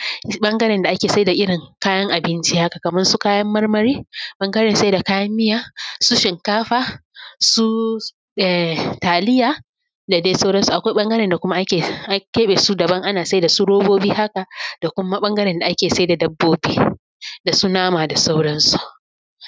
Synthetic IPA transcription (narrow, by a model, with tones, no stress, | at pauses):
ɓɐ˦ŋɡɐ˦ɾɛ˨nda˨ʔa˦kʲeː˨sa˦jda˨ʔɪ˦ɽɪ˨ŋkaː˦jɐ˦ŋʔa˨bɪ˦nt͡ʃi˦ha˦ka˨kɐ˨mɐ˦nsu˦kaː˦jɐ˦mːɐ˦rmɐ˦ɾiː˦ɓɐ˦ŋɡɐ˦ɾɛ˨nsa˦jda˨kaː˦jɐ˦mːɪ˦jaː˦su˦ʃɪ˨ŋkaː˦ɸaː˦su˦ | ɛ˨taː˨lɪ˦jaː˨ | da˨deː˦sa˦wɽɐ˦nsu˨ʔa˨kʷa˦ɓɐ˦ŋɡɐ˦ɾɛ˨nda˨kʷʊ˦ma˦ʔa˦kʲeː˨ʔa˦kʲeː˦ɓe˨su˦dɐ˨bɐ˦ŋʔa˦naː˨sa˦jda˨su˦ɽoː˦boː˦biː˦ha˦ka˨d̥a˨kʷʊ˦ma˦ɓɐ˦ŋɡɐ˦ɾɛ˨nda˨ʔa˦kʲeː˨sa˦jda˨dɐ˦bːoː˦biː˦ | da˨su˦naː˦maː˨da˨sa˦wɽɐ˦nsu˨ʔ